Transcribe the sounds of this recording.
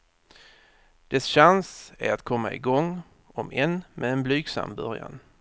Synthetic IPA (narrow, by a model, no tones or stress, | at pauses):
d̪̥ɛsɕansæɾat̪kʰɔmːaɪɡɔŋː | ɔmɛnmɛd̪ɛnblyːɡsa̰mbœɾja̰n